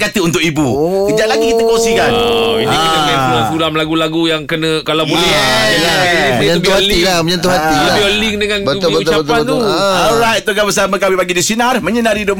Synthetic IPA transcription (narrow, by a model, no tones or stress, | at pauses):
kat̪əunt̪ʊkibukəd͡ʒaʔlaɡikit̪əkɔŋsikanɔinikənəanfulafulamlaɡulaɡujaŋkənəkalabolɛ | ipiãb̪uhalilaməɲãnt̪uɦat̪ibiolɪŋdəŋãnəuiəut̪t͡ʃap̪at̪uɔɹajt̪̚t̪ukabəs̬amə̃kamipaɡidisinarmə̃ɲənãɾido